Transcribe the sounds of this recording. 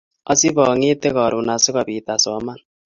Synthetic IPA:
ɔ˦si˦βɔ˨ŋe˦te˦ɣɔ˨ɾu˨na˨si˦ɣɔ˨βi˨ta˨sɔ˨˦ma˦n

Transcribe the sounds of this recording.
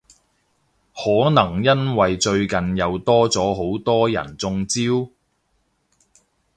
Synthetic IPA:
hɔː˨˥nɐ˨˩ŋjɐ˥nwɐ˨jt͡ʃɵ˧ɥkɐ˨njɐ˨˧wt̪ɔː˥t͡sɔː˨˥ɦo˨˥wt̪ɔː˥jɐ̰˨˩nt͡sʊ˧ŋt͡siː˥w

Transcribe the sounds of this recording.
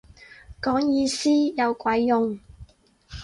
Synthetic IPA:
kɔː˨˥ŋjiː˧siː˥jɐ˨˧wkʷɐ˨˥jːʊ˨ŋ

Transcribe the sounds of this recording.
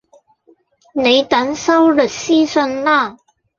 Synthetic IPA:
ne˨˥ɪt̪a˨˥nsa˥wlə˨˩si˥˩sə˧nla˥˩

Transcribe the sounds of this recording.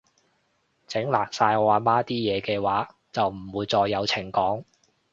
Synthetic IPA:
t͡sɪ˨˥ŋlaː˨˩ksaː˧jɔ˨˧aː˨˧maː˥t̪iː˥jɛː˨˧kɛː˧waː˨˥ | t͡sɐ˨wm̩˨˩wuː˨˧jt͡sɔː˧jːɐ˨˧wt͡sʰɪ˨˩ŋkɔː˨˥ŋ

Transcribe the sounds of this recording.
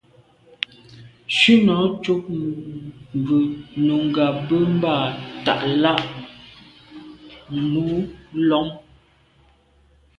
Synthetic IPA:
ʃʉ˦nɔ˨˦t͡ʃo˦k̚ | m˨bʉ˨no˨ŋ˨ɡa˨bə˦m˦ba˦˨ta̰˨ʔla˦ʔ | m˦bu˨˦lɔ˨˦m

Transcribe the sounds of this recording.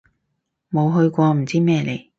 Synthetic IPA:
mo˨˧wɦɵ˧ɥkʷɔː˧m̩˨˩t͡siː˥mɛː˥˧le˨˩j

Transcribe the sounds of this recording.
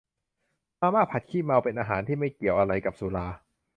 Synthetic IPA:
maː˧maː˥˩pʰa˨˩t̪̚kʰiː˥˩ma˧wpe˧nʔaː˧ɦaː˩˦nt̪ʰiː˥˩ma˥˩jki˨˩əwʔa˧ɾa˧jka˨˩p̚suː˩˦laː˧

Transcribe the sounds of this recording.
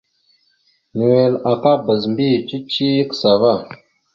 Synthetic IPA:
ni˨we˨la˨ka˦bə˨z̬mbi˦˨t͡ʃi˦t͡ʃi˦ji˦ksa˨va˦˨

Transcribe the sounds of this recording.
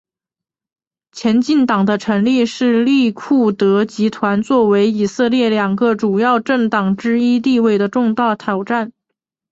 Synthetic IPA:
t͡ɕʰjɛ˧˥nt͡ɕi˥˩nt̪ɑ˨˩ŋd̪ə˦ʈ͡ʂʰɤ˧˥ŋli˥˧ʂɻ̩˥˧li˥˧kʰu˥˩t̪ɤ˧˥t͡ɕi˧˥t̪ʰwa˧˥nt͡swɔ˥˩we˧˥ɪi˨˩sɤ˥˧ljɛ˥˩ljɑ˨˩ŋɡə˧˦ʈ͡ʂu˨˩jɑ˥˧ʊʈ͡ʂɤ˥˩ŋt̪ɑ˨˩ŋʈ͡ʂɻ̩˥i˥t̪̬i˥˧we˥˩ɪd̪ə˩ʈ͡ʂʊ˥˧ŋt̪ɑ˥˩ʊt̪ʰjɑ˨˩ʊʈ͡ʂa˥˩n

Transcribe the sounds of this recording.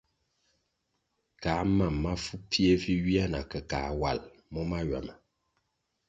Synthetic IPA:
kaː˨˦ma˨mːa˦fu˦pʰi˦e˦vi˦ɥi˦a˦na̰˨kə˨kaː˨˦wa˦˨l | mɔ˦ma˦ɥa̰˨mə˨

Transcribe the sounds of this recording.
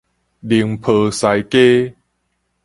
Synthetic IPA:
li˨˩əŋpʰɤː˨˩sa˨˩jke˦

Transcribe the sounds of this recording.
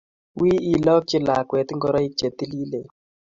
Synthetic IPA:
wi˦i˦lɔ˦k̚t͡ʃɪ˦la˨kwɛ˨t̪ɪ˦ŋɡɔ˦ɾa˦i˦t͡ʃe˨t̪i˦li˦le˨

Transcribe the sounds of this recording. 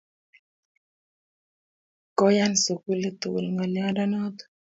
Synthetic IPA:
kɔ˦ja˦nso˨ku˦le˦t̪ṵ˨lŋa˨lja˦da˦nɔ˦t̪

